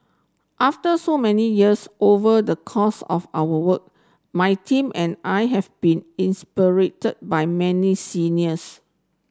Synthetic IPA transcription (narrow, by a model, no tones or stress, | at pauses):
ʔaftəsomɛnijiəsʔovədəkʰɔsɔ̰fa̰wəwək̚ | majtʰĩmʔɛ̃najɦɛvb̥ĩnĩnspiɹetəd̚bajmɛnisiniəs